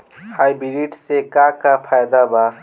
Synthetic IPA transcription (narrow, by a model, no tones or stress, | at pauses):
hajbiɾiʈsekakapʰajd̪aba